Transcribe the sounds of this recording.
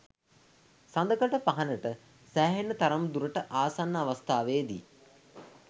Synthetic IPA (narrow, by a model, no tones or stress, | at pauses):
sand̪əkəʈəpaɦanəʈə | sæːɦenːət̪aɾɐmd̪uɾəʈəʔaːsanːəaʋɐst̪aːʋeːd̪ḭ